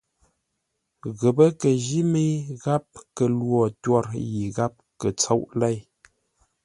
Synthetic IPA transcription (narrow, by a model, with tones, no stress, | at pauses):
ɣə˨pə˦kə˨ʒi˦me˦ɣa˦p̚kə˨lwɔ˨twɔ˦ɾji˨ɣa˦p̚kə˨t͡so˦wʔlɛ˦˨j